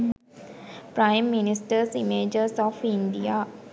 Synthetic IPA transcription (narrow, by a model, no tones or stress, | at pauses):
pɾaɪmːinisʈəɾsimeːd͡ʒəɾsɔːfĩnd̪ijaː